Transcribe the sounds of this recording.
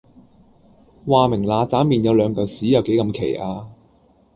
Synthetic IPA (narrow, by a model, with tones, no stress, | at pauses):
waː˨mɪ˨˩ŋlaː˨˧t͡saː˨˥miː˨njɐ˨˧wlœː˨˧ŋk̪ɐ˨˩wsiː˨˥jɐ˨wke˨˥jkɐ˧mkʰe˨˩jʔaː˧